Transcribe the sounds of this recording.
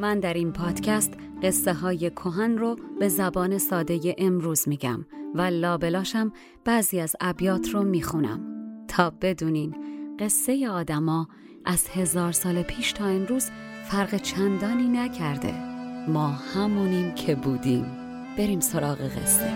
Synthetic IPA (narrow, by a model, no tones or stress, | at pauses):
mænd̪æɾiːnpʰɒːd̪̥cʰæst̪ | ɢ̥e̞sːeɦɒːje̞kʰoɦænrob̥e̞zæbɒːne̞sɒːd̪e̞je̞ʔemɾuːzmiːɟæ̰mvælɒːbe̞lɒːʃæm | b̥æːziːæzæbjɒːt̪ʰromiːxunæ̰mt̪ʰɒːb̥e̞d̪uːniːnɢe̞sːe̞je̞ɒːd̪æmɒː | ʔæz̥he̞zɒːɾsɒːlepʰiːʃt̪ʰɒːe̞mɾuːz̥ | fæɾɣet͡ʃʰænd̪ɒːniːnæcʰæɾd̪e̞̰mɒːhæmuːniːncʰebuːd̪iːm | b̥e̞ɾiːmsoɾɒːɣeɣḛsːe